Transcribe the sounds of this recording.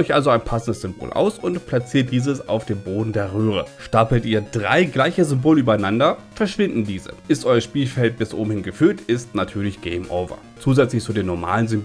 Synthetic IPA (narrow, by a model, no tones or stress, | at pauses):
ɔʏçʔalzoaɪnpʰasn̩dəsz̥ʏmbo̰ːlʔa̰ʊsʊntpʰl̥at͡siːɐt̚d̥iːzəsa̰ʊfd̥eːmboːdn̩deːɐʁøːʁ̞ə̰ʃtaːpl̩tʔiːɐdʁa̰ɪɡlaɪçəzʏmboːlyːbɐaɪnandɐfɛɐʃv̥ɪndn̩diːzə̰ʔɪstʔɔʏɐʃpiːlfɛlt̚b̥ɪsʔo̰ːbm̩hɪnɡəfʏltɪstnatʰyːɐlɪçɡ̥ɛɪmʔoʊvɐ̰ | t͡suːzɛt͡slɪçt͡suːdeːmnɔɐma̰ːlənzʏm